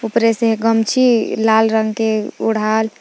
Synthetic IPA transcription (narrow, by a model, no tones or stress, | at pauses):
upɾeseɦɡəmt͡ʃʰilalɾəŋɡkeṵɽ̤al